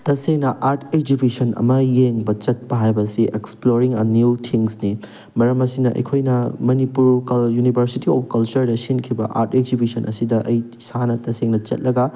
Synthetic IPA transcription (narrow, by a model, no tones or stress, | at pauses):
tɐseŋnɐʔaɾtʰekd͡ʒubisɐnɐ̰mɐjeŋbɐt͡ʃɐt̚pɐɦajbɐsiʔeksploɾiŋɐnjuwtʰiŋsni | mɐɾɐmɐsinɐʔɐ̰jkʰojnɐmɐnipuɾkɐjunibʱɐɾsitiɔp̚ʰkɐlt͡ʃɐɾdɐsinkʰibɐ̰ʔa̰ɾtek̚zibisɐnʔɐ̰sidɐʔɐj | sanɐtɐseŋnɐt͡ʃɐ̰t̚lɐɡɐ